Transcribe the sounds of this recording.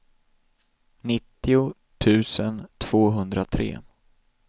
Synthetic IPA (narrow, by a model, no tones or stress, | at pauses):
nɪt̪ːɪʊ | t̪ʰʉ̟ːsənt̪ʰv̥oːɦɵnd̪ɾat̪ʰɾḛː